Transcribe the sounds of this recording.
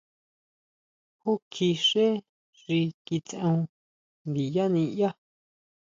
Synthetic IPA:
ho˦kʰi˧ʂe˦ | ʐi˧ki˧t͡sẽ˧ũ˧ | nd̪i˨ja˦nĩ˧ja˦

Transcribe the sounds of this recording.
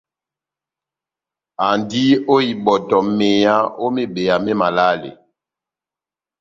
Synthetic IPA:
a˨ndi˦o˦i˨ɓɔ˨tɔ˨me˨ja˦o˦me˦ɓe˨a˨me˦ma˨la˦lḛ˨

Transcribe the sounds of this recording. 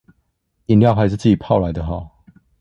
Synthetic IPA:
i˨nljɑ˥˨ʊxa˨˦ɪʂɻ̩˥˧t͡sɹ̩˥˩t͡ɕi˨˩pʰɑ˥˨ʊla˨˦ɪd̪ə˧xɑ˨˥˨ʊ

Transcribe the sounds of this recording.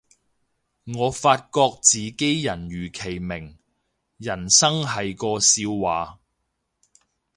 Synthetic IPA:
ŋɔː˨˧faː˧t̚kɔː˧k̚t͡siː˨ke˥jjɐ˨˩nɥyː˨˩kʰe˨˩jmɪ˨˩ŋ | jɐ˨˩nsɐ˥ŋɦɐ˨jkɔː˧siː˧wwaː˨

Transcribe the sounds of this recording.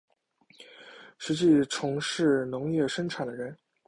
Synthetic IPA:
ʂɻ̩˧˥t͡ɕi˥˩ʈ͡ʂʰʊ˧˥ŋʂɻ̩˥˩nʊ˧˥ŋjɛ˥˩ʂə˥ŋʈ͡ʂʰa˨˩nd̪ə˦ɻə˧˥n

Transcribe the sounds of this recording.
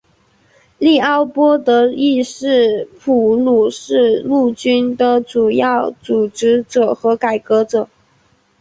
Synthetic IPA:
li˥˩ɑ˥˩ʊpwɔ˥t̪ɤ˧˥i˥˧ʂɻ̩˥˩pʰu˨˩lu˨˩ʂɻ̩˥˧lu˥˩t͡ɕy˥nd̪ə˨ʈ͡ʂu˨˩jɑ˥˩ʊt͡su˨˩ʈ͡ʂɻ̩˧˥ʈ͡ʂɤ˨˩xɤ˧˥ka˨˩ɪkɤ˧˥ʈ͡ʂɤ˨˩˦

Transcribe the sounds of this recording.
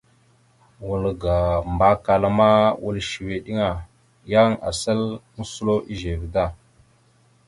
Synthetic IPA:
wu˨lɡa˨mba˦ka˨la˦ma˦wu˦˨lʃi˨we˨ɗi˦ŋa˨ | ja˦ŋa̰˨sa˦ln̩˦su˦lo˦ʔi˦ʒe˨vda˦˨

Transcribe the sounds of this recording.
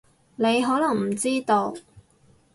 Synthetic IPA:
ne˨˧jɦɔː˨˥lɐ˨˩ŋm̩˨˩t͡siː˥t̪o˧w

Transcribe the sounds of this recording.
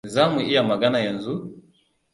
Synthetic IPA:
za˦mwɛ˨ʔi˦a˨ma˨ɡa˦na˨ja˨n˨zu˦

